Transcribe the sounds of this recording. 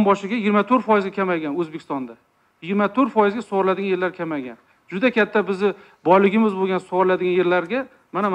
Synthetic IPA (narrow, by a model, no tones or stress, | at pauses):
mbɒʃɪɡʲajɪɡʲɪɾmat̪ʰɵɾfɒjɪzɡʲakʲʰamajɡʲanɵzbekʲʰɪst̪ɒnd̪a | jɪɡʲɪɾmat̪ʰoɾfɒjɪzɡʲasoʁɾlad̪ɪɡʲanjelaɾkʲʰamaɡʲan | d͡ʒʊd̪akʲʰat̪ʰːabɪzɪ | bɒjlɪɡʲɪmɪzboɡʲansoʁɾɪlad̪ɪɡʲanje̞ɾlaɾɡʲa | manam